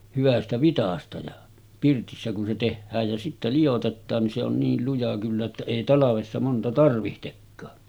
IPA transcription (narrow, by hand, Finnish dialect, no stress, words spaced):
hyʋæstæ ʋitɑstɑ jɑ pirtisːæ kun se tehːæːj jæ sitːæ lijotetːɑːn ni se on niːl lujɑ kylːæ etːæ eˑi tɑlɑʋesːɑ montɑ tɑrʋihtekːɑː